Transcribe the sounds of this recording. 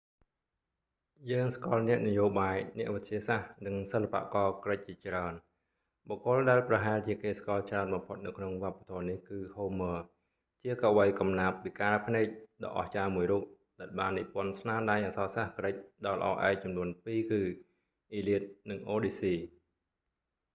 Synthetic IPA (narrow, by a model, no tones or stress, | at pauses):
jəːŋskŏəlnɛ̆əʔnəjoːɓaːjnɛ̆əʔʋɨt̪̚t͡ɕiəsahnɨŋsəlːapa̰ʔkɑːkrəc̚t͡ɕiət͡ɕraən | ɓokːʊ̆əlɗaɛlprɑɦaɛlt͡ɕiəkeːskɑ̆əlt͡ɕraənɓɑmpʰot̪̚nɨwkʰnoŋʋŏəpːḁt̪ʰoənihkɨːhoːməː | t͡ɕiəkaʋəjkɑmnaːp̚ːikaːlpʰnɛːc̚ɗɑ̰ʔɑ̰ht͡ɕaːmuəjruːp̚ | ɗaɛlɓaːnːipʊ̆ənsnaənɗaːjʔasɑːsahkrəc̚ɗɑlə̰̆ʔɑ̰ːʔa̰ɛk̚t͡ɕumnuənpiːkɨː | ʔiːliət̪̚nɨŋʔoːɗiːsiː